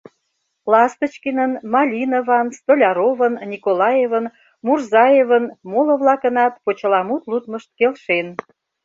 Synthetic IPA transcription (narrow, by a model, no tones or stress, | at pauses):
lɑst̪ət͡ɕkinənmɑlʲinovɑnst̪olʲɑɾovənnʲikolɑjevən | murzɑjevənmolə̆βlɑkə̆nɑt̪pot͡ɕə̆lɑmut̪lut̪məʃt̪̚kelʃen